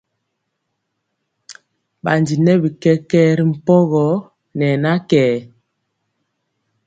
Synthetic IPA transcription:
ɓa˨ndi˨nɛ˦bi˨kɛ˦kɛː˦ɾi˦m̩˨pɔ˦ɣɔ˨˦ | nɛ˨na˦kɛː˨

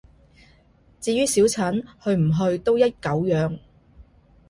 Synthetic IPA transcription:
t͡siː˧ɥyː˥siː˨˥wt͡sʰɐ˨˥nhɵ˧ɥm̩˨˩ɦɵ˧ɥt̪o˥wjɐ˥t̚kɐ˨˥wjœː˨˧ŋ

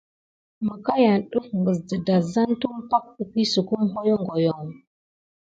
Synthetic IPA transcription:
mə˨ka˦ja˨nɗu˦fŋɡə˨zdə˨da˨za˦n˦tu˦mpa˦k̚pə˨ki˦su˨ku˦m˦ɦo˦jo˦ŋɡo˨jo˨ŋ

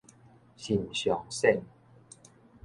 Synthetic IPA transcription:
ɕi˨˩nɕjɔ˨˩ŋsɛ˥˨n

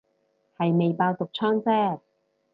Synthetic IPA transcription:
hɐ˨jme˨jpaː˧wt̪ʊ˨k̚t͡ʃʰɔː˥ŋt͡sɛː˥

